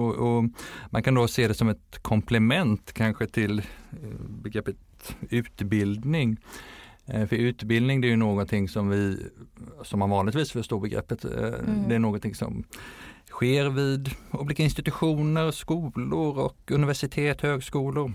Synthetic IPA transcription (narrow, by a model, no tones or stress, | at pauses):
ɔʔɔmankʰand̪oseːd̪ɛsɔmɛt̪kʰɔmpʰlɛmɛnt̪kʰanɧət̪ʰɪl | bɛɡɾɛpːət̪ | ʉ̟ːt̪bɪld̪nɪŋ | fœɾʉ̟ːt̪bɪld̪nɪŋd̪ɛæɾjɵnoːɡɔnt̪ʰɪŋːsɔmvɪ | sɔmhanvɑːnlɪt̪viːsfœʂt̪uːɾbɛɡɾɛ̰pːət̪d̪ɛæɾɳoːɡɔnt̪ʰɪŋsɔ̰m | ɧeːɾvɪd̪uːblikaɪnst̪ɪt̪ɵɧuːnəɾskuːlʊɾɔkɵnɪvæʂɪt̪ʰeːt̪høːɡskuːlʊɾ